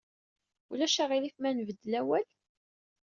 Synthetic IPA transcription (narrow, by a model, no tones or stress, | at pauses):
ulæʃæʁilikmænvəd̪ːlæwæl